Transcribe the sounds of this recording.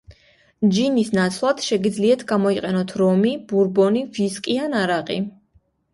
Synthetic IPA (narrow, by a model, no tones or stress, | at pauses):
d͡ʒinisnat̪sʰlˠat̪ʃɛɡid̪zliat̪ʰɡamɔiqʼɛnɔt̪ʰɾɔmibuɾbɔniviskʼianaɾaqʼi